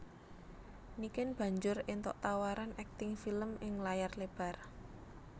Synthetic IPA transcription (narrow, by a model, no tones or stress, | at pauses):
nikɪnb̥ä̤ɲd͡ʒʊrɪnt̪ɔʔt̪awaɾanʔɛk̚t̪ɪŋfiləmɪŋlajarleb̥a̤r